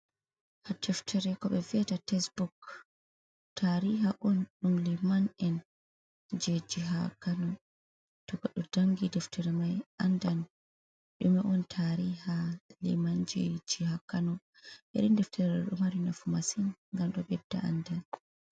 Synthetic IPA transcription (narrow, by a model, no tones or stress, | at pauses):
hadɛftʰɛɾɛkɔɓɛviatatɛsbuk | tʰaɾiɦaʔɔnɗumlimanɛn | d͡ʒed͡ʒiɦa̰kanɔ | tɔɡaɗɔdaŋɡidɛftʰɛɾɛmajandan | ɗumɛʔɔntʰaɾihalḭmand͡ʒed͡ʒihakanɔ | ɓɛ̰ɾindɛftʰɛɾɛɗumaɾinafumasinŋɡamɗɔbɛb̚da̰a̰ndan